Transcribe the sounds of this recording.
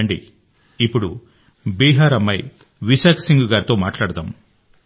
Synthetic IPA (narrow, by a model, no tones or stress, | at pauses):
ɳɖḭ | ipːuɽu | biːɦaːɾɐmːɐj | ʋiʃaːkʰɐ̥siŋɡuɡaːɾit̪o̞ːmaːʈlaːɽɐt̪a̰ːm